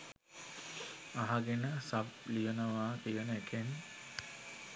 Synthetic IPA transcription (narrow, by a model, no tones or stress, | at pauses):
aɦaɡenəsab̚lijənəʋaːkijənəekʰen